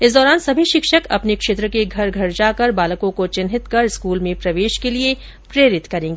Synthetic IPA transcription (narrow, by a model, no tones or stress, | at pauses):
ɪsd̪ɔːɾaːnsɐbʱiʃɪkʃəkɐ̰pnekʃeːt̪ɾəkeɡʱɐɾɡʱɐɾd͡ʒaːkɐɾbaːləkõkot͡ʃɪnɦɪt̪kɐɾɪskuːlmẽpɾɐʋeːʃkelie | pɾeːɾɪt̪kɐɾẽːŋɡeː